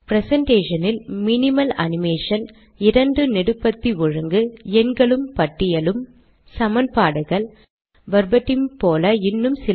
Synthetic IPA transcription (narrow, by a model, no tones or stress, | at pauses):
pɾɛsɐɳʈeːʂɐnɪlmɪnɪmɐlɐ̰nɪmeːʂɐn | ɪɾɐɳɖɯnɪɽɯpːɐt̪ːiʊɻɐŋɡɯɛnɡɐɭɯmpɐʈːɪjɐlɯm | sɐmɐnpaːɽɐɣɐɭ | ʋɐɾbɐʈːɪmpoːlɐɪnːɯmsɪ